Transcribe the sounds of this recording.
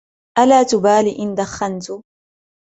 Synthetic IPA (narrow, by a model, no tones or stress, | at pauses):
ʔalaːt̪ʊbaːliʔɪnd̪axːant̪ʊ